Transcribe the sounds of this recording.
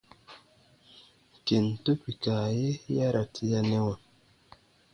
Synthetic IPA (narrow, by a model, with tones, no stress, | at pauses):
ke˨n̩˨to˦pi˨ka˨je˦ja˦ɾa˨tʰi˦ja˦nɛ˦wa˨